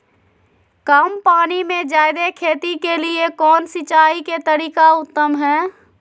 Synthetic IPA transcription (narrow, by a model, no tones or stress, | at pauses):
kəmpaːnimẽd͡ʒaːjd̪ekʰeːt̪ikeliekɔːnsɪt͡ʃaːiket̪əɾiːkaʊt̪ːəmɦɛː